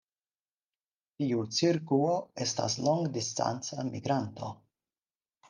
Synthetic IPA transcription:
tiut͡siɾkuo̞e̞sta̰sloŋɡdista̰nt͡samiɡɾanto̞

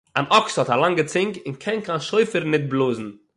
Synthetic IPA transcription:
anɔkshɔtalˠaŋɡət͡sɪŋkɪnkʰɛnkanʃoɪfəɾnɪt̚blˠoːzn̩

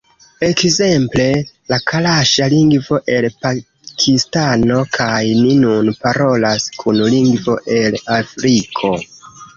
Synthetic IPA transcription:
e̞kze̞mple̞lakʰalaʃaliŋɡvo̞ʔe̞lpa | kʰistano̞kʰajninunpaɾo̞laskʰunliŋɡvo̞ʔe̞lafɾikʰo̞

